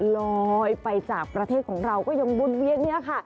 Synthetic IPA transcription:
lɔ˧jpa˧jt͡ɕaː˨˩k̚pɾa˧t̪ʰeː˥˩t̪̚kʰɔː˩˦ŋɾa˧wkɔː˥˩ja˧ŋbu˧˥˩t̪̚wi˧˥ən̚ni˦˥˨kʰa˥˩ʔ

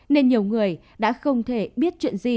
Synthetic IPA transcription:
ne˧nɲi˨˩əwŋɨ˨˩əj | ɗa̰ː˧˥xə˧wŋ͡mt̪ʰe˧˩ɓi˦˥ət̚t͡ɕwḭ˧˨ənzi˨˩

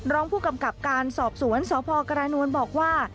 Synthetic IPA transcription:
ɾɔː˦˥ŋpʰuː˥˩ka˧mka˨˩p̚kaː˧nsɔː˨˩p̚su˩˦ənsɔː˩˦pʰɔː˧ka˧ɾaː˧nu˧ənbɔː˨˩k̚waː˥˩

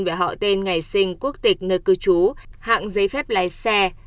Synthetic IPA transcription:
nve˧˩ɦɔ̰˧˨t̪e˧nŋa˨˩jsï˧ŋ̟ku˦˥ək̚t̪ï˨˩k̟̚nəː˧˩kɨ˧t͡ɕu˨˦ha̰ː˧˨ŋzə˨˦jfɛ˦˥p̚laː˨˦jsɛ˧

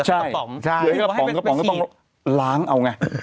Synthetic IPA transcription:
t͡ɕʰa˥˧˩jɔ˨˦kɔ˥˩ɔː˨˦kɔː˧˥˩t̪ŋ | laː˨˦˥ŋʔa˧wŋa˧˩

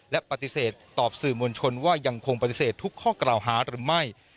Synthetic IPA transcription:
lɛ˦˥pa˧˩t̪i˧˦seː˨˩t̪ːɔː˨˩p̚sɯː˨˩mu˧nt͡ɕʰo˧nwaː˥˩ja˧ŋkʰo˧ŋpa˧t̪i˨˧˩seː˨˩t̪ʰːu˦˥kʰːɔː˥˩klaː˨˩wɦaː˩˦ɾɯː˩˦ma˥˩j

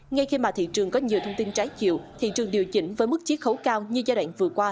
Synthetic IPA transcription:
ŋa˧jxi˧maː˨˩t̪ʰḭ˧˨t͡ɕɨ˨˩əŋkɔ˨˦ɲi˨˩əwt̪ʰə˧wŋ͡mt̪i˧nt͡ɕaː˨˦jt͡ɕḭ˧˨wt̪ʰḭ˧˨t͡ɕɨ˨˩əŋɗi˨˩əwt͡ɕï˨˧˦ŋ̟vəː˨˦jmɨ˦˥k̚t͡ɕi˦˥ək̚xə˨˦wkaː˧wɲɨ˧zaː˧ɗwa̰ː˧˨ŋvɨ˨˩əkwaː˧

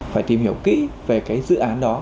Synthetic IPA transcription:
faː˧˩jt̪i˨˩mhi˧˩əwkḭ˧˥ve˨˩kaː˨˦jzɨ̰˧˨ʔaː˨˦nɗɔ˨˦

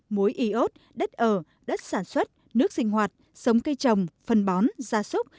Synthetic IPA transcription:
mu˨˦jʔi˨˦ʔo˦˥t̚ | ɗə˦˥t̚ʔəː˧˩ | ɗə˦˥t̚saː˧˩nswə˦˥t̚ | nɨ˦˥ək̚sï˧ŋ̟hwaː˨˩t̚ | sə˨˦wŋ͡mkə˧jt͡ɕə˨˩wŋ͡mfə˨˩nɓɔ˨˦nzaː˧˩sʊ˦˥k͡p̚

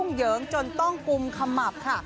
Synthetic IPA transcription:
ŋ͡mjəː˨˦ŋt͡ɕo˧˩nt̪ɔ˧˩ŋku˨˧˩mkʰa˧mːa˨˩p̚k̪ʰa˦˧˥ʔ

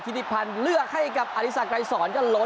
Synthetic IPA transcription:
t̪ʰi˦˥d̪i˦˧pʰa˧nlɯ˥˩ək̚ha˥˩jka˨˩p̚ʔa˧ɾi˦˥sa˨˩kɾa˧jsɔː˩˦nkɔː˥˩lo˦˥

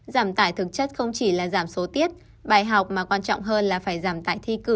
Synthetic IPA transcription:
zaː˧˩mt̪aː˧˩jt̪ʰɨ˨˩k̚t͡ɕə˦˥t̚xə˧wŋ͡mt͡ɕi˧˩laː˨˩zaː˧˩mso˨˦t̪i˦˥ət̚ | ɓaː˨˩jɦa˨˩wk͡p̚maː˨˩kwaː˧nt͡ɕɔ̰˧˨wŋ͡mɦəː˧nlaː˨˩faː˧˩jzaː˧˩mt̪aː˧˩jt̪ʰi˧kɨ˧˩

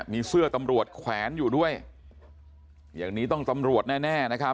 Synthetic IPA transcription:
miː˧sɯ˥˩ɐt̪a˧mɾu˨˩ət̪̚kʰwɛː˩˦njuː˨˩du˥˩əj | jaː˨˩ŋniː˦˥t̪ɔ˥˩ŋt̪a˧mɾu˨˩ət̪̚nɛː˥˩nɛː˥˩na˦˥kʰa˦˥

